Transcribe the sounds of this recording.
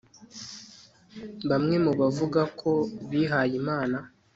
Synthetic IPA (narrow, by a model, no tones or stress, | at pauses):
βamŋe̞muβavuɡakʰo̞βiɦajimaːna